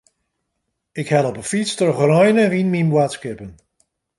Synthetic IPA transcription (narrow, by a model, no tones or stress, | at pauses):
ɪkhɛlˠɔpəfitstəχrɔjnəʋinmimbwatskɪpən